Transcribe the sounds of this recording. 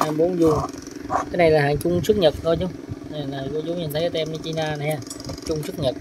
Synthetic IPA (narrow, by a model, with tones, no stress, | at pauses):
ha˧mɓo˨˦nzu˧ | kaː˨˦jna˨˩jlaː˨˩ɦa̰ː˧˨ŋt͡ɕʊ˧ŋ͡msɨ˦˥k̚ɲə˨˩t̚ko˧t͡ɕʊ˨˦ŋ͡ma˨˩laː˨˩ko˧t͡ɕu˧˦ɲi˨˩nt̪ə˨˦kːaː˨˧ɛ˧nə˧˦t͡ɕi˧naː˧na˨˩jhaː˧˩ | a˨˩t͡ɕʊ˧ŋ͡msɨ˦˥k̚ɲə˨˩t̚